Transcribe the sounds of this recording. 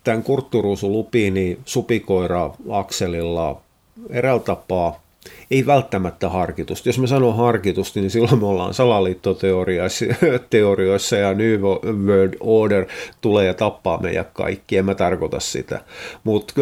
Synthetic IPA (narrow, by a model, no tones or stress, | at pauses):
t̪æŋkurt̪ːuruːsulupiːniːsupikoirɑɑkselilːɑ | erælt̪ɑpɑː | eiʋælt̪ːæmæt̪ːæhɑrkit̪ust̪josmesɑnohɑrkit̪ust̪nisilːomeolːɑ̰ːnsɑlɑliːt̪ːot̪eoriɑsit̪eorioisːɑjɑnyːʋoʋøːdoːɖert̪uleːjɑt̪ɑpːɑ̰ːmḛijæ̰kkɑ̰ikːiemːæt̪ɑrkot̪ɑ̰ssḭt̪æ̰mut̪